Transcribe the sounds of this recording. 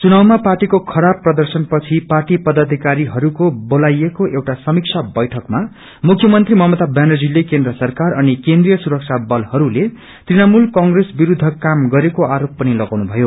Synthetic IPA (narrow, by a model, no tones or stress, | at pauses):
t͡sunawmaparʈikokʰʌɾabprʌd̪ʌrsʌnpʌt͡sʰiparʈipʌd̪ʱʌd̪ʱikaɾiɦʌɾukobolajekoʔewʈasʌmik̚t͡sʰabʌjʈʰʌkma | mukʰjʌmʌnt̪rimʌɦʌmʌt̪abjanod͡zilːekend̪rʌsʌrkarʌnikẽnd̪rijʌsuɾʌk̚t͡sʰabʌlhʌɾule | tt̪rinamulkʌŋɡresbiɾud̪ʱːʌkamɡʌɾekoaɾopːʌnilʌɡawnubʱʌjo